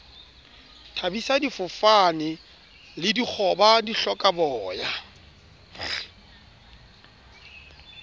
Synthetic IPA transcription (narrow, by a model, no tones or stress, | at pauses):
tʰabisadifʊfanɪ | lɪdik͡xʰɔbadiɬɔkʼabɔːja